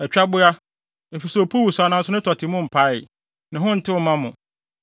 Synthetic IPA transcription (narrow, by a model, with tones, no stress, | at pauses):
ɛ˨t͡ɕᶣa˦bʊ˦a˦ | e˨fi˨sɛ˨o˨pʰu˦wu˨sa˨nã˦sʊ˦nʊ̃˦tʰɔ˨tʰɪ˨mʊ̃˦m̩˨pʰa˦ɪ˨ | nɪ̃˨ɦʊ̃˦n̩˨tʰɪ˦wɔ˨mã˦mʊ̃˨